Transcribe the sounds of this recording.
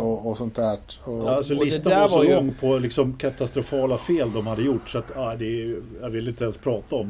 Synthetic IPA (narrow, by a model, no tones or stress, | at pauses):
ɔːsɔnt̪ʰæːʈɔalssɔlɪst̪aaɔlɔŋːpʰɔlɪksɔmkʰat̪ast̪ɾʊfɑːlafeːld̪ɔmhad̪ːəjʊʈːsɔat̪aɪd̪ɛjavɪlːəɪnt̪əɛnspʰɾɑːt̪aɔm